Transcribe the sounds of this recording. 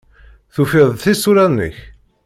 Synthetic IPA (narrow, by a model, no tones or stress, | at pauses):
θufɪðˤθisuɾænːə̰ç